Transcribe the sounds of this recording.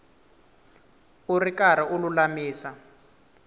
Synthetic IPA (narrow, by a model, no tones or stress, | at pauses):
urikaɾiʔululamiːsa